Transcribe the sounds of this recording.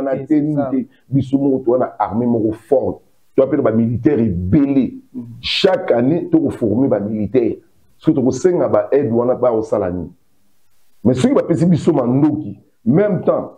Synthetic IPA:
natɛnite | bisomɔkɔtowanaaʁmemɔkɔfɔʁt | towapenabamilitɛʁebeleʃakanetokofɔʁmebamilitɛʁ | so̥kit̬okosɛŋɡabaʔɛdwanabaakosala̰nḭn | mɛsokibapesibisomandoki | mɛmtã

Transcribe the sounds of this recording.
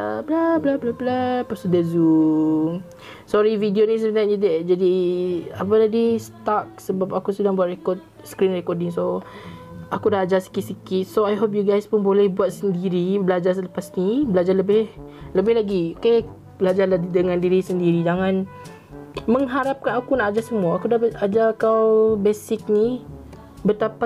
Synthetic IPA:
əblablablablapast̪udəzu | sɔɾividionis̬əənanədət̚d͡ʒadiapatadist̪ak̚səbapakusədaŋbuat̪̚rekɔt̪̚ | skɾinrɛkɔt̚iso | akudaʔad͡ʒasi̥kit̪̚sikit̪̚soajɦop̬̚juɡajspʊnbolɛhbuat̪̚səndiɾibəlad͡ʒarsələpasnibəlad͡ʒarləbɪhləbɪhlaɡioke | b̥əlad͡ʒarlaidəŋãndiɾisəndiɾid͡ʒaŋãn | məŋɦaɾap̚kanakunakad͡ʒasəmuaakudaad͡ʒakawbesɪk̚ni | bət̪ap

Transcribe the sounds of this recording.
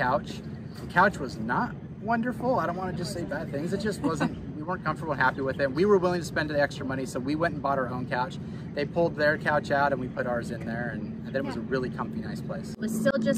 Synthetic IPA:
kaʊt͡ʃ | ðɨkʰaʊt͡ʃwʌznət̚ | wʌ̃ndə˞fl̩ˠaɪɾõʊ̃nʔwɑ̃nɨd͡ʒʌstseɪbæd̪̥̚θɪ̃ŋzɨt̚d̥ʒ̥ʌst̚wʌzɨ̃nt̚ | wiwɜ̃˞nkʰʌ̃ɱftə˞bl̩ˠhæpiwɨðɨ̃mwiwə˞wɪlˠɪ̃ŋtʰɨspɛ̃ndɨ̃nɛkstɹ̥əmʌñisoʊwiwɛ̃ntn̩bɔɾəə˞õʊ̃nkʰaʊt͡ʃ | ðeɪpʰʊlˠd̪̚ðə˞kʰaʊt͡ʃaʊɾɨ̃nwipʰʊɾəzɨ̃nðə˞ɨ̃nɨ̃nðɨ̃nɨt̚wʌzəɹɪlˠikʰʌ̃mfinaɪspʰl̥eɪswʌ̥stɪlˠd͡ʒʌs

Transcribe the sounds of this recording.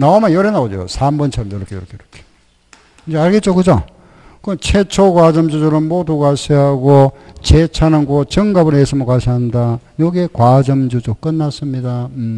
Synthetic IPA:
naomajʌɾenaod͡ʑo̰sʰambʌnt͡ɕʰʌɾʌmjʌɾʌkʰejɾʌkʰejɾʌkʰe̥ | knd͡ʑaɭɡet͡ɕ͈okɯd͡ʑo | kɯnt͡ɕʰet͡ɕʰokwad͡ʑʌmd͡ʑud͡ʑʰɯɾɯmmodukaɕʰiɦaɡot͡ɕet͡ɕʰanɯnkot͡ɕʌŋɡabɯɾesʰɯmɯkaɕʰiɦandajʌɡe̞kwad͡ʑʌmd͡ʑud͡ʑok͈ɯnːas͈ɯmɲida

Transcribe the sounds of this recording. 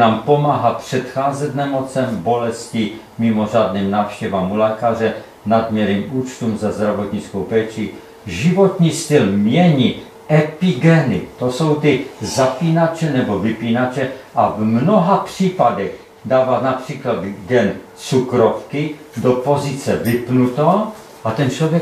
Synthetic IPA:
aːmpo̞maːɦapr̥ɛt̪xaːzɛt̪nɛmo̞t͡sɛmbo̞lɛsci | mɪmo̞r̝aːd̪niːmnaːfʃcɛvamulɛːkar̝ɛ | nad̪mjɛɾiːmuːt͡ʃt̪uːmzazd̪ɾavo̞t̪ɲit͡skowpɛːt͡ʃi | ʒivo̞t̪ɲiːst̪ɪlmɲɛɲi | ɛpiɡɛnɪ̰t̪oso̞wt̪ɪzapiːnat͡ʃɛnɛbo̞vɪpiːnat͡ʃɛʔavmnoɦapr̥iːpadɛx | daːvat̪napr̝̥iːklad̪ɡɛn | t͡sukɾofkɪ | dopo̞zɪt͡sɛvɪpnut̪o | ʔat̪ɛnt͡ʃlovjɛ

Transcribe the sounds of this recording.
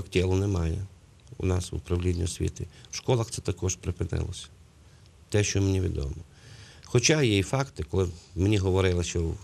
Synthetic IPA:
ktʲɛlˠʊnɛmɑjɛ | ṵnɑsʋʊ̰pɾɐwlʲidʲnʲḭɔsʲʋʲḭt̪ɪwʃkɔlˠɐxt̪sɛt̪ɐkɔʒpɾɪpɪnɪ̰lˠɔsʲɐ̥ | t̪ɛʃt͡ʃɔmenʲiʋʲḭd̪ɔ̰mɔ | xɔt͡ʃɑjijfɑkt̪ɪkɔlˠɪmenʲiɦɔʋɔɾɪlˠɪʃʲt͡ʃɔ

